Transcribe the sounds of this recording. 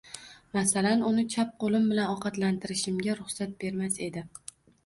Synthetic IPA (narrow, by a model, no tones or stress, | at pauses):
masalanʊnɪt͡ʃʰap̚qolɪmbɪlanɒqʰɑt̪lant̪ʰɪɾɪʃɪmɡʲaɾʊχsat̪̚be̞ɾmase̞d̪ɪ